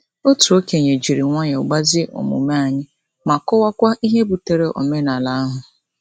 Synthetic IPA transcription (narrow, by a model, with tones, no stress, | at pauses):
o˦tu˨o˦ke˨ɲe˨d͡ʒi˨ɾi˨ŋʷɔ˦ɲe˨ʊ˨ɡ͡ba˦zɪ˦ʔo̰˨mʊ̰˨ma˦a˨ɲɪ˦ | ma˨kɔ˦wa˦kʷa˦ʔi˦ɦe˦bu˨te˨ɾe˨ʔɔ̰˨me˦na˨la˨˦a˦ɦʊ˨